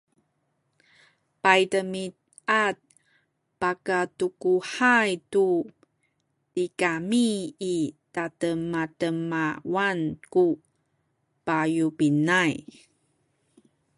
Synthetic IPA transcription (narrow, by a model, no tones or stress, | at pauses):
pajtəmit | at̚ | pakatukuħajtu | tikamiː | tatəmːatəmawanku | pajupinaj